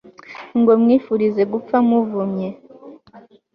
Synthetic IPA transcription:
ŋɡo̞mŋiːfuɾize̞ɡup͡famuvumɲe̞

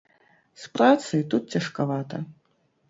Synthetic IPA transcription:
spɾat̪sɐjt̪ut̪̚t͡sʲɐʂkavat̪ɐ

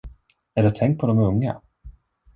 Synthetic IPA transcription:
æɖɛt̪ʰɛŋkt̪̚pʰɔd̪ɔmɵŋːa̰

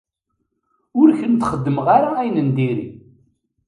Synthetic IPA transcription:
ʊɾçənt̪χəd̪ːəmʁaɾaæjnənd̪iɾḭ

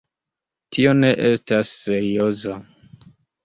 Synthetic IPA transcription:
tʰio̞ne̞ʔestasːeɾioza

